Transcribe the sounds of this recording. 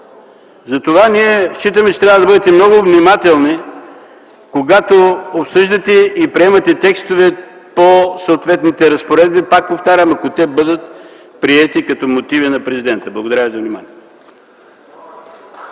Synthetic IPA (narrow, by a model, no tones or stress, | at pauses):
zɐt̪ovaniɛʃt͡ʃit̪əmɛt͡ʃɛ̥t̪ɾavəd̪ɐbɤd̪ɛt̪ɛmnɔɡʊvnimat̪ɛlˠni | koɡat̪oopsɤʒd̪ɐt̪ɛipɾiɛmɐt̪ɛt̪ɛkst̪ovɛ | posəot̪vɛt̪nit̪ɛɾɐspoɾɛd̪̚bipak̚poft̪aɾʲəmɐkot̪ɛbɤd̪ət̪̚ | pɾiɛt̪ikɐt̪ɔmot̪ivinɐpɾɛzid̪ɛnt̪əblˠɐɡod̪ɐɾavizɐvnima̰niɛ